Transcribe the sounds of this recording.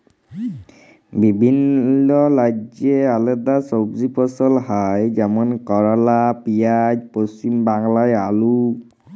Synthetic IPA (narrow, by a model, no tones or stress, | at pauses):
bibʱinːɔlad͡ʒɛalɛdasobzipɔsɔlhajzɛmɔnkɔɹalapijajpost͡ʃimbaŋlajalu